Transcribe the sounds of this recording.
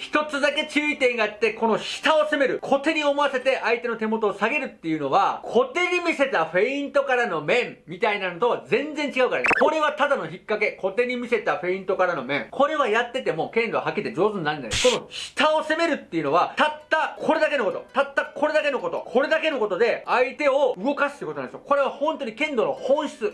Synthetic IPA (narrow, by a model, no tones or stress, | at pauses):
çi̥t̪o̞t͡sɨd̪ake̞t͡ɕɨːit̪ẽ̞ŋɡaːt̪ːe̞ko̞no̞ɕi̥t̪ao̞se̞me̞ɾɯ̟kʰo̞t̪e̞ɲ̟io̞mo̞ase̞t̪e̞ʔait̪e̞not̪e̞mo̞t̪o̞ːsaɡe̞ɾɯ̟t̪ːe̞jɯ̟no̞βakʰo̞t̪e̞ɲ̟imʲise̞t̪aɸe̞ĩnt̪o̞kaɾano̞mẽ̞mmʲit̪ainano̞t̪o̞βad͡zẽ̞nd͡zẽ̞ɲ̟t͡ɕiɡaɯ̟kaɾakoɾe̞βat̪ad̪ano̞çʲikːake̞kʰo̞t̪e̞ɲ̟imʲise̞t̪aɸe̞ĩnt̪o̞kaɾano̞mẽ̞ŋkʰo̞ɾe̞βajat̪ːe̞t̪e̞mo̞kẽ̞nd̪o̰ɦakʲit̪e̞d͡ʑo̞ːzɨɲ̟naɾɯnd̪aneko̞no̞ɕi̥t̪aose̞me̞ɾɯ̟t̪ːe̞iɯ̟no̞βat̪at̪ːakʰo̞ɾe̞d̪ake̞noko̞t̪ot̪at̪ːakʰo̞ɾe̞d̪ake̞no̞ko̞t̪o̞̰kʰo̞ɾe̞d̪ake̞no̞ko̞t̪o̞d̪e̞ait̪e̞o̞ɯ̟ɡo̞kasɨ̥t̪ːeiɯkoonãnd̪ɕo̰ko̞ɾe̞β̞ahõ̞nt̪o̞ɲ̟ikẽ̞nd̪o̞no̞hõ̞ɰ̃ɕi̥t͡sɨ